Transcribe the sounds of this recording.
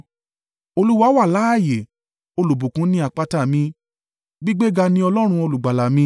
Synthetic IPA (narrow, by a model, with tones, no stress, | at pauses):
o˧lu˦wa˦wa˦˨la˨˦a˦˨je˨ | o˧lo˨bu˨kũ˨˦nĩ˦a˨k͡pa˧ta˦˨mĩ˧˦ | ɡ͡bi˦ɡ͡be˦ɡa˧nĩ˧˦ɔ˧lɔ˦ɾ̃ũ˧o˧lu˨ɡ͡ba˨la˨mĩ˧˦